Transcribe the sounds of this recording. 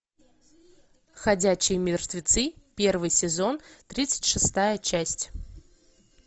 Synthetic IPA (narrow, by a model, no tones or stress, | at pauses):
xɐdʲæɕɪjəmʲɪrt̪vʲɪt̪sɨpʲe̞rvɨjsʲɪzo̞nt̪ɾʲit̪sɨ̥tʲʂɨst̪ajət͡ɕæsʲtʲ